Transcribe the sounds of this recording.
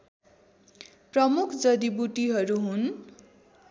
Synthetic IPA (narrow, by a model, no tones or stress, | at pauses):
prʌmukʰd͡zʌd̪ibuʈiɦʌɾuɦun